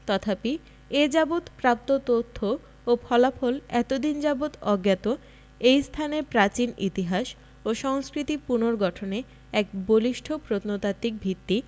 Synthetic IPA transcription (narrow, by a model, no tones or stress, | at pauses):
t̪ɔt̪ʰapi | ed͡ʑabot̪pɾap̚t̪ot̪ot̪ʰːo | opʰɔlafolɛt̪od̪ind͡ʑabot̪ɔɡjat̪o | ejst̪ʰanepɾat͡ɕinḭt̪iɦaʃ | oʃɔŋskɾit̪ipunoɾɡɔʈʰone | ɛkboliʃʈʰopɾot̪not̪at̪ik̚bʱit̪ːi